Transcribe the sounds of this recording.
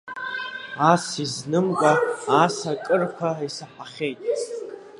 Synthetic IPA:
asiznɨmkʷʼaːsakʼɨrkʷʰaisaħaχʲe̞jtʼ

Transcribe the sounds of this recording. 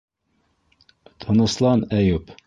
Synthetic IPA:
t̪ʰənəslˠɑnɛjup

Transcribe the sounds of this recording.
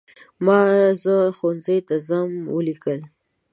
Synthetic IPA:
mɑzəxonzəjt̪azamwəlikəl

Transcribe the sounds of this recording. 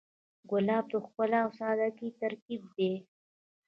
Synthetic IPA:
ɡʊlɑːb̚t̪əxpəlawsɑd̪akit̪aɾkib̚d̪e

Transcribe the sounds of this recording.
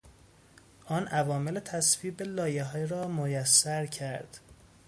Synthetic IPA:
ʔɒːnʔævɒːmelet̪ʰæsviːbelɒːjeɦɒːjɾɒːmojæsːæɾcʰæɾd̪̥

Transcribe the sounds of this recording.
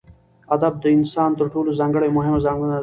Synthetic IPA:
ɐd̪ɐb̚d̪əɪnsaːnt̪əɾʈuːlozɐ̃ŋɡəɭemʊɦɪmozɐ̃ŋɡɽnɐ

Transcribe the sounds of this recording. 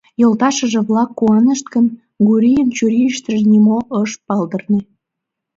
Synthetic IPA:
jolt̪ɑʃəʒĕβlɑkːuɑnəʃt̪̚kən | ɡuɾijənt͡ɕuɾiʃt̪əʒnimoʔəʃpɑld̪ərne

